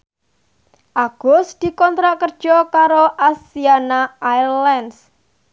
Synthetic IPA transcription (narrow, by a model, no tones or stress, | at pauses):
ʔaɡ̥ɔ̤sd̪̥i̤kɔnt̪ɾaʔkərd̥ʒ̥ɔkaɾoʔasianaajlɛns